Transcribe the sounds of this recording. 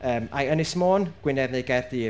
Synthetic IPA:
əːmajənɪsmoːnɡ̥wɪnɛvnejɡɛrðiː

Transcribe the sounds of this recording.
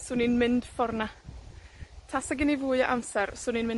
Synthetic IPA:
sʊninmɪnd̥fɔrna | tʰasaɡɪnivʊːja̰ʔamsɛɾsʊninmɪn

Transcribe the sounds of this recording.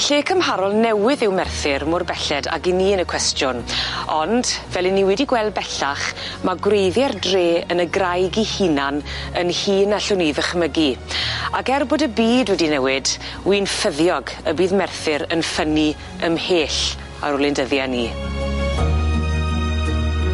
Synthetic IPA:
ɬeːkʰəmhaɾɔlˠnɛwɪðɪwmɛrθɪɾmʊrbɛɬɛda̰ɡiniːənəkʰw̥ɛstjʊnɔnd̥vɛlˠɪnːiwɛdiɡwɛlˠd̚bɛɬaχmaɡwrejðjɛrdreːənəɡrajɡihinanənhiːnaɬʊniðəχməɡiakɛrboːdəbiːdwɛdinɛwɪd | wiːnfəðjɔɡəbiːðmɛrθɪɾənfəni | əmheːɬ | a̰ɾʊlˠɪndəðjaniː

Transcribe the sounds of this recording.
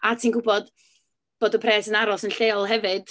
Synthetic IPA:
atʰiːnɡʊbɔd̥ | b̥oːdɔpʰrɛːsənaɾɔsənɬejɔlˠɦɛvɨd̥

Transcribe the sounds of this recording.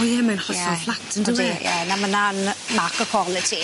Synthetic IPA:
iɛmanχɔsɔflˠatʰəndədijɛ̰namənanmakɔkʰwɔlˠɪtʰi

